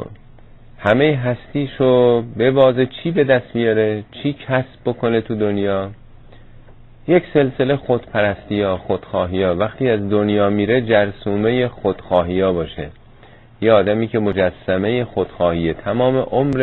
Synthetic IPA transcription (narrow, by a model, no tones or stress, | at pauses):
hæme̞jeɦæst̪iːʃobe̞bɒːzet͡ʃʰiːbe̞d̪æst̪bijɒːɾe̞t͡ʃʰiːcʰæsb̥̚ːo̞kʰo̞ne̞t̪ʰud̪onjɒː | je̞cse̞lse̞le̞xo̞d̪̥pʰæɾæst̪ijɒːxod̪̥xɒːɦijɒːvæxt̪iːæzd̪onjɒːmiːɾe̞d͡ʒæɾsuːme̞je̞xod̪̥xɒːɦiːɒːbɒːʃe | jeɒːd̪æmiːkʰe̞mo̞d͡ʒæsːæme̞jexod̪̥xɒːhiːet̪ʰæmɒːme̞ʔomɾ